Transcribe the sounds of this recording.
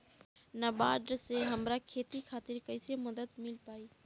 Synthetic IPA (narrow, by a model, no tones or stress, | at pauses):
nɐbaːɖseɦəmɾakʰeːt̪ikʰaːt̪ɪɾkəɪseməd̪ət̪mɪlpaːiː